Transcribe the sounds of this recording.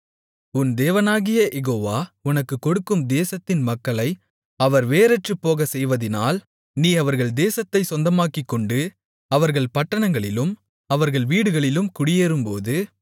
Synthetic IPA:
ʊnd̪eːʋɐnaːɣɪjɐʔɛɣoːʋaːʊnɐkːɯkːɔɽɯkːɯmd̪eːsɐt̪ːɪnmɐkːɐɭɐɪ | ɐʋɐɾʋeːɾɛʈrɯpːoːɣɐsɛjʋɐðɪnaːl | niːɐʋɐɾɣɐɭd̪eːsɐt̪ːɐɪsɔnd̪ɐmaːkɪkːɔɳɖɯ | ɐʋɐɾɣɐɭpɐʈːɐɳɐŋɡɐɭɪlɯm | ɐʋɐɾɣɐɭʋiːɽɯɣɐɭɪlɯmkʊɽɪjeːɾɯmpoːðɯ

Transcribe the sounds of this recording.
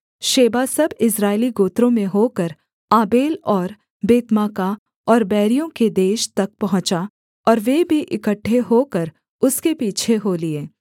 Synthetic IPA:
ʃeːbasɐbɪsɾaːɪliɡoːt̪ɾõmẽɦoːkəɾ | aːbeːlɔːɾ | beːt̪maːka | ɔːɾbɛːɾijõked̪eːʃt̪ɐk̚pɐɦʊ̃t͡ʃa | ɔːɾʋeːbʱiʔɪkəʈʰːeɦoːkəɾ | ʊskepiːt͡ʃʰeɦoːlieː

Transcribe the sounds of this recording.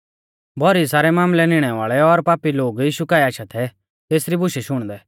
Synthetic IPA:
bʱɔɾisaːɾɛmãːmlɛnɪɽ̃ɛʋaːɭɛɔɾpaːpiloːɡjiːʃukaːiaːʃat̪ʰɛ | t̪eːsɾibʊʃɛʃʊɽ̃d̪ɛ

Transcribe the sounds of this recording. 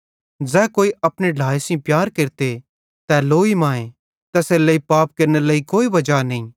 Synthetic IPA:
d͡zɛːkoːiɐpɽ̃eɖʱaːesĩpjaːɾkeɾt̪e | t̪ɛloːimãːẽ | t̪ɐsɛlɐːipaːp̚kɐɾnelɐikoːibɐd͡ʒanɐĩ

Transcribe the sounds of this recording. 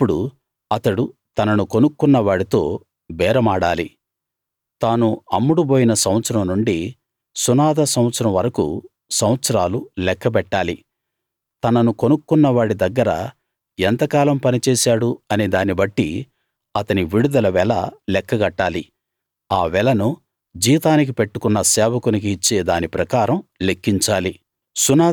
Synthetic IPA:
pːuɽu | ɐt̪ɐɽut̪ɐnɐnukonukːunːɐʋaːɽit̪o̞ː | bɛːɾɐmaːɽaːli | t̪aːnuɐmːuɽuboːjinɐsɐwɐt̪sɐɾɐmnuɳɖi | sunaːd̪ɐsɐw̃ɐt̪sɐɾɐmʋɐɾɐkṵ | sɐwɐt̪sɐɾaːlulɛkːɐpɛʈːaːli | t̪ɐnɐnukonukːunːɐʋaːɽid̪ɐɡːɐɾɐ̰ | ɛnt̪ɐkaːlɐmpɐnit͡ʃɛːsaːɽuɐnid̪aːnibɐʈːḭ | ɐt̪ɐniʋiɽud̪ɐlɐʋɛːlɐ̰lɛkʰːɐɡɐʈːaːli | aːʋɛlɐnu | d͡ʒiːt̪aːnik̬ipe̞ʈːukunːɐsɛːʋɐkunik̬iːt͡ʃːeːd̪aːnipɾɐkaːɾɐmlekːiɲt͡ʃaːli | sunaː

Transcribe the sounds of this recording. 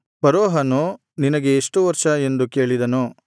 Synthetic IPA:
pɐɾɔːɦɐnu | ninɐɡe̞ːʂʈuʋɐɾʂɐe̞nd̪uke̞ːɭid̪ɐnu

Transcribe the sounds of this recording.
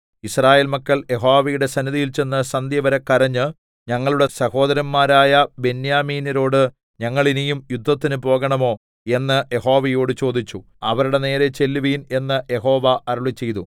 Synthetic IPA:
israːje̞ːlmɐkːɐɭje̞ɦoːʋɐjuɽe̞sɐniðijilt͡ɕe̞nːɨsɐnd̪ʱjɐʋɐɾekːɐɾɐɲːɨ | ɲɐŋːɐɭuɽe̞sɐho̞ːd̪ɐɾɐmːaːɾaːjɐbe̞njaːmiːnɐɾo̞ːɽɨ | ɲɐŋːɐɭinejumjud̪ʱːɐt̪ːinɨpo̞ːɣɐɳɐmo̞ː | e̞nːɨje̞ɦo̞ːʋɐjo̞ːɽɨt͡ɕo̞ːd̪it͡ɕːu | ɐʋɐɾuɽe̞ne̞ːɾe̞t͡ɕe̞lːuʋiːne̞nːɨje̞ɦo̞ːʋɐʔɐɾuɭit͡ɕːe̞jt̪u

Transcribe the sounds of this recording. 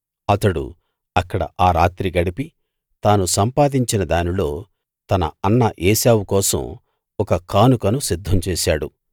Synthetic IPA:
ɐt̪ɐɽṵ | ɐkːɐɽɐ̰ʔaːɾaːt̪ɾiɡɐɽipi | t̪aːnusɐmpaːd̪iɲt͡ʃinɐd̪aːnilo̞ː | t̪ɐnɐ̰ɐnːɐʔeːsaːwukɔːsɐ̰m | ɔkɐkaːnukɐnusid̪ʱːɐmt͡ʃeːʃaːɽṵ

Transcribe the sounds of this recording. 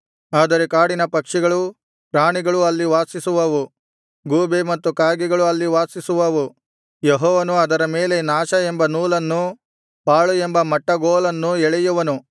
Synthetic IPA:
aːd̪ɐɾekaːɽinɐpɐkʂiɡɐɭu | pɾaːɳiɡɐɭuɐlːiʋaːsisuʋɐʋu | ɡuːbemɐt̪ːukaːɡiɡɐɭuɐlːiʋaːsisuʋɐʋu | jeɦɔːʋɐnuɐd̪ɐɾɐmeːle̞naːʃɐembɐnuːlɐnːu | paːɭue̞mbɐmɐʈːɐɡoːlɐnːuɛɭɛjuʋɐnu

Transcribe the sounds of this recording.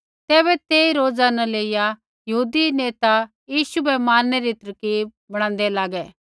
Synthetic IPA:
t̪ɛːβɛt̪eːiɾoːd͡zanɛleːɪja | jɐɦuːd̪ineːt̪a | jiːʃubɛmaːnːɛɾit̪ɐɾkiːb̚bɐɽ̃ãːnd̪ɛlaːɡɛː

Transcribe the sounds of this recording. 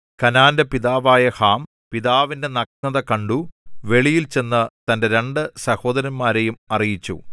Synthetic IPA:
kɐnaːndɐpiðaːʋaːjɐhaːm | piðaːʋinde̞nɐknɐðɐkɐɳɖuʋe̞ɭijilt͡ɕe̞nːɐt̪ɐnde̞ɾe̞ɳɖɨsɐho̞ːd̪ɐɾɐnmaːɾe̞jumɐrijit͡ɕːṵ

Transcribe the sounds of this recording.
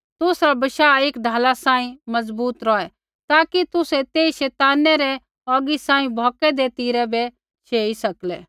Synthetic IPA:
t̪ʊsɾabɐʃaːeːkɖ̪ʱaːlasãːĩmɐzbuːt̪ɾɔɛ | t̪aːkit̪ʊsɛt̪eːiʃɛːt̪aːnːɛɾɛ | ɔːɡisãːĩbʱɔːkɛd̪eːt̪iːɾɛbɛ | ʃʰeːisɐklɛː

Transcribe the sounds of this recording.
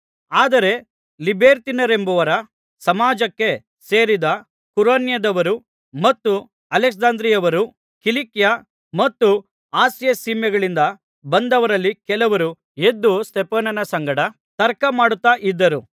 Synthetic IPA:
aːd̪ɐɾe̞ | libeːɾt̪inɐɾe̞mbɐʋɐɾɐ | sɐmaːd͡ʒɐkːe̞ | se̞ːɾid̪ɐ | kuɾaːnjɐd̪ɐʋɐɾu | mɐt̪ːu | ɐleksd͡ʒaːnd̪ɾijɐʋɐɾu | kilikja | mɐt̪ːu | aːsjɐsiːmjɐɡɐɭind̪ɐ | bɐnd̪ɐʋɐɾɐlːikɛlɐʋɐɾu | e̞d̪ːust̪epɐːnɐnɐsɐŋɡɐɽɐ | t̪ɐɾkɐmaːɽut̪ːaːʔid̪ːɐɾu

